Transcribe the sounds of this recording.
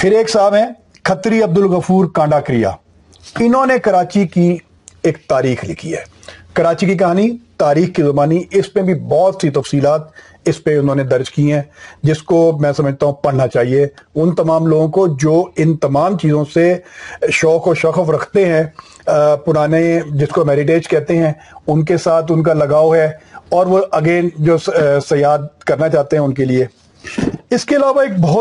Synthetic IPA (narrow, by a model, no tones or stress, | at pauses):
pʰɪɾeːksaːbɦɛ̃ː | kʰɐt̪ɾiɐb̚d̪ʊlɣɐfuːɾkãːɳɖaːkɾɪja̰ː | ɪnɦõnekɐɾaːt͡ʃiki | eːk̚t̪aːɾiːxlɪkʰiɦɛ̰ː | kɐɾaːt͡ʃikik̬ɐɦaːnit̪aːɾiːxkizɐmaːniɪspebʱibɔːt̪sit̪ɐfsiːlaːt̪̚ | ɪspeʊnɦõːned̪ɐɾd͡ʒkiɦɛ̃ːd͡ʒɪskomɛ̃ːsɐməd͡ʒʱt̪aɦũpɐɽ̤nat͡ʃaːɦieʊnt̪ɐmaːmloːɡõkod͡ʒoːɪnt̪ɐmaːmt͡ʃiːzõseʃɔːkːʃɐxəfɾɐkʰt̪eɦɛ̃ | pʊɾaːned͡ʒɪskomɛːɾɪʈ̬eːd͡ʒkɛɦt̪eɦɛ̃ | ʊnkesaːt̪ʰʊnk̬alɐɡaːoɦɛɔːɾʋoʔɐɡeːnd͡ʒoːsɐjaːd̪̚kɐɾnat͡ʃaːt̪eɦɛ̃ʊnkelieː | ɪskeɪlaːʋaeːk̚bɔɦ